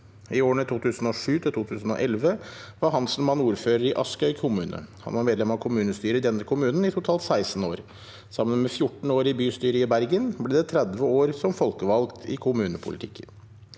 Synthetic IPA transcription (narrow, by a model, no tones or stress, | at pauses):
ɪoːɳət̪ʰuːt̪ʰʉːsn̩oːʂʉːt̪ʰɪlt̪uːt̪ʰʉːsn̩ɔ̰ʔɛlʋəʋɑɾɦɑnsl̩mɑnuːɾføːɾəɾɪʔɑskœʏkkʰʊmʉːnə̰hɑ̰nʋɑɾmeːd̪lɛmɑʋkʰʊmʉːnəst̪yːɾəɪd̪ɛnːəkʰʊmʉːnn̩ɪt̪ʰʊt̪ʰɑːlt̪sæɪsn̩oːɾ | sɑmːənmɛfjʊʈːɳ̩oːɾɪbyːst̪yːɾəɪbæɾɡənblɛd̪ɛt̪ʰɾɛd̪ʋəoːɾsɔmfɔlkəʋɑlkt̪ʰɪkʰʊmʉːnəpʰʊ̰lɪ̰t̪ʰɪ̰kʰːən